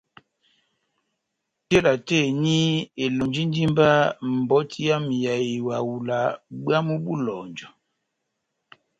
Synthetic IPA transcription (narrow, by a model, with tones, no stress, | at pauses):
te˦la˨te˦˨ɲi˦e˨lo˨nd͡ʒi˦n˦di˦mba˦m̩˨bɔ˦tʰi˦ja˦mi˨ja˨i˨wa˨wu˨la˨ɡ͡ba˦mu˦bu˦lɔ˨nd͡ʒɔ˨